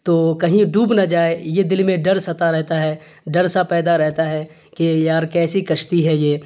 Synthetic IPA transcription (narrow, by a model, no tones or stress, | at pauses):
t̪oːkɐɦĩɖuːbnad͡ʒaːejed̪ɪlmẽɖɐɾsɐt̪aɾɛɦt̪aɦɛ | ɖɐɾsapɛːd̪aɾɛɦt̪aɦɛ | kejaːɾkɛːsikɐʃt̪iɦɛjeː